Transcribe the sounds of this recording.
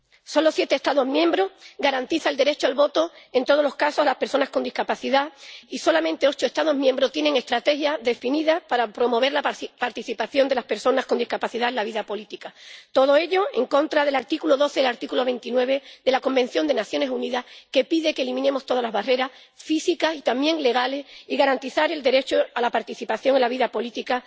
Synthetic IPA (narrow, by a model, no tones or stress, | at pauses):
so̞nlo̞sje̞t̪est̪aðo̞zmjẽ̞mbɾo̞ɡaɾant̪iθald̪eɾe̞t͡ʃoalβo̞t̪o̞e̞nt̪o̞ð̞o̞lo̞hkaso̞zlahpe̞ɾso̞naskond̪ihkapaθiðaiso̞lamẽ̞nt̪e̞o̞t͡ʃoest̪að̞o̞ɦmjembɾot̪je̞ne̞ŋe̞st̪ɾat̪e̞xjaðe̞finiðapaɾapɾo̞mo̞βe̞ɾlapaɾt̪iθipaθjo̞nd̪e̞laspe̞ɾso̞nasko̞nd̪ihkapaθiðaelaβiðapo̞lit̪ikat̪o̞ðo̞e̞ʎo̞e̞ŋkõ̞nt̪ɾaðe̞laɾt̪ikuloðo̞θe̞laɾt̪ikulo̞βẽ̞nt̪inwe̞β̞e̞ðe̞lako̞mbẽ̞n̟θjo̞nd̪e̞naθjo̞ne̞suniðaske̞piðekelimĩne̞mo̞st̪o̞ðalazβare̞ɾas | fisikasit̪amje̞ŋle̞ɣ̞ale̞siɣaɾant̪iθaɾe̞ld̪e̞ɾe̞t͡ʃoalapaɾt̪iθipaθjo̞ŋe̞nlaβiðapo̞lit̪ika